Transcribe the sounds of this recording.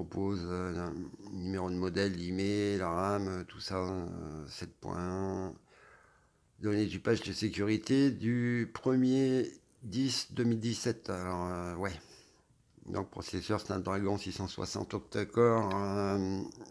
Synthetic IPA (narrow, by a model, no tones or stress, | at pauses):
pɔpozø | nymeʁod̪əmɔd̪ɛlːimelaʁamøt̪u̥sa | sɛt̪̚pwɛ̰̃ | d̪ɔned̪ypaʒd̪əsekʲyʁit̪ed̪ypχəmje | d̪isd̪əmild̪isɛt̪alɔʁøwɛ | d̪ɔ̃k̚pχɔsesœʁsna̰ld̪ʁaɡɔ̃sisɑ̃swa̰sɑ̰̃t̪ɔ̃k̚t̪akɔʁ